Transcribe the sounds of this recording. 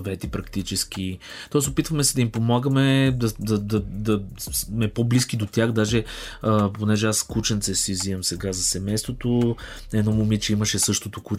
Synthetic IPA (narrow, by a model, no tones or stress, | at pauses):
vɛt̪ipɾɐkt̪it͡ʃɛsk̟i | t̪ɔɛsopit̪vəmɛsɛd̪ɐimpomaɡəmɛd̪ɐd̪ɐd̪ɐd̪ɐsmɛpoblisk̟id̪ot̪ʲjaxd̪aʒɛ | əponɛʒɛaskut͡ʃɛnt̪sɛsiziəmsɛɡazɐsɛmɛjst̪vot̪o | ɛnɔmomit͡ʃɛiməʃɛsɤʃt̪ot̪oku